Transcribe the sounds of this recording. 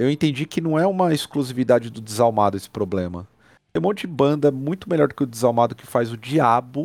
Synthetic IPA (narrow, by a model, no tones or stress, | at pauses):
ewẽt̪ẽnd͡ʒikɪnɐ̃w̃ɛũmɐeskluzivid̪ad͡ʒɪd̪ʊd̪ɪzawmad̪ʊesɪ̥pɾoblẽmɐ̰ | t̪ẽj̃ũmõnt͡ʃɪd͡ʒɪbɐ̃nd̪ɐmũj̃t̪ʊmeʎɔɾd̪ʊkɪʊd̪ɪzawmad̪ʊkɪ̥fajzʊd͡ʒiabʊ